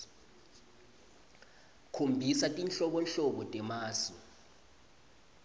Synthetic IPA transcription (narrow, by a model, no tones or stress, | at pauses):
kʰombʱisatʼinɬɔɓɔnɬɔɓɔtʼɛmaːsɔ